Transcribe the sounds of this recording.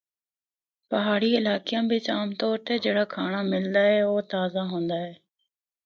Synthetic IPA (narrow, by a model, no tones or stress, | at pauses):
pəɦaːɽiːɪlaːkɪjãːbɪt͡ʃaːmt̪ɔːɾt̪eːd͡ʒeːɽaːkʰaːɳ̃aːmɪld̪aːɦɛːoːt̪aːzaːɦõːnd̪aːɛː